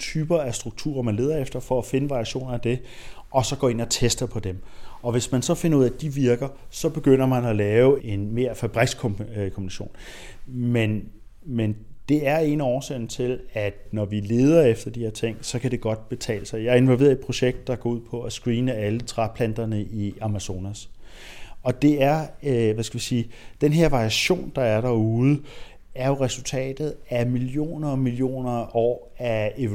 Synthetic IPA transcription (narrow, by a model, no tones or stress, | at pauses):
t͡sʰyːb̥ɐæsd̥ʁuɡ̥̚t͡sʰṵːɐmænle̝ːðˠɐefd̥ɐfɒ̽æfe̝nəʋɑ̈ʁiæɕo̝̰ːnɐæd̥e̝ʔɒ̽sɒ̽ɡ̥ɒ̰ːe̝nɐt͡sʰesd̥ɐpʰɒ̽d̥emɒ̽ʋe̝smænsɒ̽fe̝nɐuð̰ˠæd̥iʋiɐɡ̥ɐsɒ̽b̥e̝ɡ̥øn̰ɐmænælɛːʊe̝nme̝ɐfæb̥ʁiɡ̥skʰkʰo̽mbinɕo̝̰ːn | men | mend̥e̝æɐe̝ːnɒːseːn̩t͡sʰe̝læd̥nɒʋile̝ːð̞ˠɐefd̥ɐd̥ihe̝ɐ̰t͡sʰe̝ŋ̰sɒ̽kʰæɾ̥e̝ɡ̥ɒ̽d̥b̥e̝t͡sʰɛ̰ːləsɑ̈ɪjɑ̈ɪɐe̝nʋɒlʋe̝̰ːɐid̥̚pʰʁo̝ɕeɡ̥̚d̥ːɑɡ̥ɒːuð̞̰ˠpʰɒ̽æsɡ̥ʁiːnəælət͡sʰʁapʰlænd̥ɐnəʔiɑ̈mæso̝ːnæs | ɒ̽d̥e̝æɐʋæsɡ̥æʋisiːd̥enɦe̝ɐ̰ʋɑ̈ʁiæɕo̝̰ːnd̥ɑ̈æɐɾ̥ɑuːð̩ˠə | æɐjo̝ʁɛsult͡sʰɛ̰ːd̥ð̞̩ˠæmilijo̝̰ːnɐɒmilijo̝̰ːnɐɒ̰ːæe